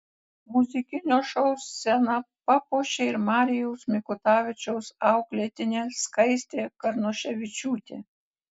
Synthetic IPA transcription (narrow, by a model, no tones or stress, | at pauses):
mʊzʲɪkʲɪnʲoːʃɔʊsːʲɛnɐpɐpoːʃʲeɪɾmɑːɾʲɪjɛʊsmʲɪkʊt̪ɑːʋʲɪt͡ʃʲɛʊsɑʊklʲet̪ʲɪnʲeːskɐɪsʲt̪ʲeːkɐɾnɔʃʲɛʋʲɪt͡ʃʲuːt̪ʲḛː